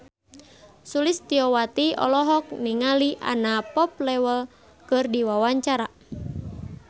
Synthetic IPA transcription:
sulist̪iɔwat̪iɔ̰lɔɦɔk̚niŋaliʔa̰napɔp̚lɛwəl | kɨrdiwawaɲt͡ʃaɾa

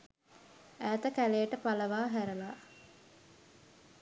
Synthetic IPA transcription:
æːt̪əkæleːʈəpaləʋaːɦæɾəlaː

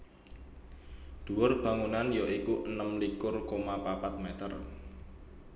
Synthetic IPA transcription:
d̪̥ṳwʊrb̥a̤ŋunanjoikuʔənəmlikʊrkomapapat̪̚met̪ə̰r

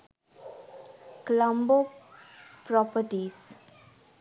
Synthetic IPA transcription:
klə̃mbo | pɾɔpəʈis

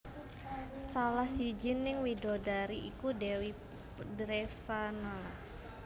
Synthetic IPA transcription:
salahsid͡ʒɪnːɪŋwidodaɾiʔikudewi | dəɾesanala

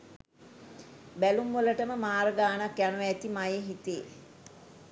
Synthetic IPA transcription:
bælumʋələʈəməmaːɾəɡaːnakjanuʋːt̪imajeɦit̪eː

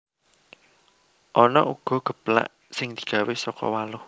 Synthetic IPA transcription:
ʔɔnɔʔuɡ̥ɔ̤ɡ̥ə̤pla̰ʔ | sɪŋd̪̥i̤̥ɡ̥a̤wesɔkɔ̰walʊh

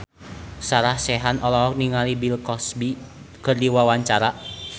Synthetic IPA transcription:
saɾahsɛɦanɔlɔɦɔk̚niŋalibilkɔsbi | kərdiwawaɲt͡ʃaɾa

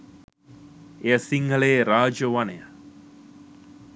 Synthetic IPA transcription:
eəsiŋɡəleːɾaːd͡ʒəʋanejə

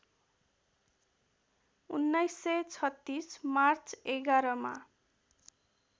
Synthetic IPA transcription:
unːajsːʌjt͡sʰʌt̪ːismart͡seɡaɾʌma̰

